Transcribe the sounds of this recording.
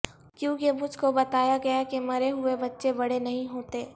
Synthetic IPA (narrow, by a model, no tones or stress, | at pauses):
kjõːkemʊd͡ʒʱkobɐt̪aːjaɡɐjakimɐɾeɦʊebɐtːʃebɐɽenɐɦĩɦoːt̪eː